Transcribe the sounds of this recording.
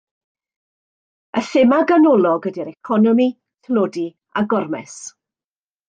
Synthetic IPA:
əθɪmaɡanɔlˠɔɡədiɾɛkʰɔnɔmi | θloːdi | aɡɔrmɛ̰s

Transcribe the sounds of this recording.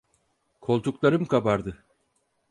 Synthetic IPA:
kʰo̞lˠt̪uklˠaɾɯmkʰabaɾd̪ɯ

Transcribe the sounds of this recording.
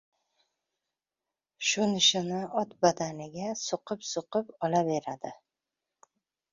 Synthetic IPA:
ʃʊnɪʃɪnɪʔɒt̪bad̪anɪɡʲasoqʰɨpsoqɨpɒlabe̞ɾad̪ɪ

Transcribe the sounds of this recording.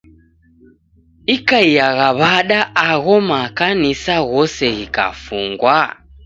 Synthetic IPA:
ikaijaɣaβaɗaʔːɣɔmakanisaɣɔsɛɣika̰fuŋɡwa

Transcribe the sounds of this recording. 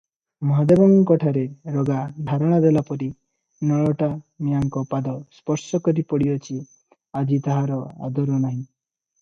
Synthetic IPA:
mɔɦad̪ebɔŋkɔʈʰaɾeɾoɡad̪ʱaɾɔɽ̃ad̪elapɔɾi | nɔɭɔʈamijaŋkɔpad̪ɔspɔɾsɔkɔɾipɔɽijɔt͡ʃʰi | ad͡ʒit̪aɦaɾɔa̰d̪ɔɾɔnaɦĩ

